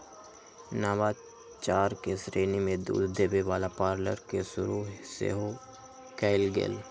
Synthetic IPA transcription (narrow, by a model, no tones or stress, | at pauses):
naːʋaː | t͡ʃaːɾkesɾeːnimẽd̪ṵːd̪d̪eːbeʋaːlapaːɾləɾkesʊɾusḛːɦo | kɛːɪlɡḛːl